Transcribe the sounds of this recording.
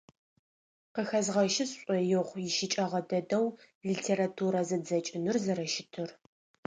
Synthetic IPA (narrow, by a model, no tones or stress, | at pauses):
qəxɐzʁɐʃɪɕɕʷʼɔjɪʁʷjɪʃɪt͡ʃʼɐʁɐdɐdɐw | litʰeːɾatʰuːɾɐzɐd͡zɐt͡ʃʼɪnɨrzɐɾɐʃɪtʰɨr